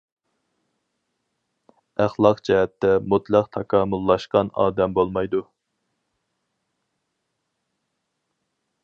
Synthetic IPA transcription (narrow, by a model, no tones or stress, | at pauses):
æχlˠɑqd͡ʒɛɦɛt̪ʰːɛmut̪ʰlˠæqt̪ʰɑkʰɑːmulˠːɑʃqɑnɑ̰ːd̪ɛmbolˠmɑjd̪u